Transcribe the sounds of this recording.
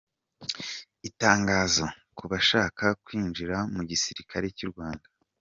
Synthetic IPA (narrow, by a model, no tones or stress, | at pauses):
itaːŋɡaːzo̞kuβaʃaːkakwiːnd͡ʒiɾamuɟisiɾikʰaɾe̞ciɾɡwaːnda